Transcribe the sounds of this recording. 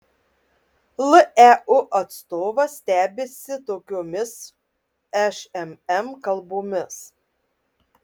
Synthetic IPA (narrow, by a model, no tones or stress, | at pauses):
lˠɨʔæʊʔɐt̪st̪oːʋɐsʲt̪ʲæːbʲeːsʲɪt̪oːkʲoːmʲɪs | æʃɛmɛmkɐlˠboːmʲɪs